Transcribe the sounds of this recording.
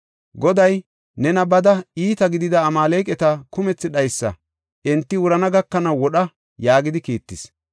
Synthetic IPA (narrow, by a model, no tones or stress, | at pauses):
ɡɔd̪ɐj | nɛnɐbɐd̪ɐiːt̪ɐɡɪd̪ɪd̪ɐːmaːleːkʼɛt̪ɐkʊmɛt͡sːɪᶑɐjsːɐ̰ | ʔɛnt̪ːɪwʊɾɐnɐɡɐkːɐnɐwːɔɗɐ | jaːɡɪd̪ɪkiːt̪ːɪs